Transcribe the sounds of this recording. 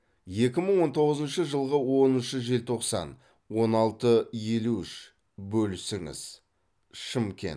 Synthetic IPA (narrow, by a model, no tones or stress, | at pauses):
je̞kʲɪməɴwo̞nt̪ʰo̞ʁəzənʃəʒəlˠʁəwo̞nʏʃəʒe̞lt̪ʰoqsɑ̰n | wo̞nɑlˠt̪əje̞luɪʃ | bɵlsɪŋɪ̰z̥ | ʃəmkʲʰe̞̰n